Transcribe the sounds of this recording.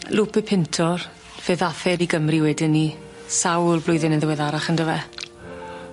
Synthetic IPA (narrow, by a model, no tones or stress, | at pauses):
lupɛpʰɪntʰɔr | v̥ɛðaθɛɾiɡəmriwɛdɪnːi | sawlˠblʊjðɪnɛðɪwɛðaɾaχəndəvɛ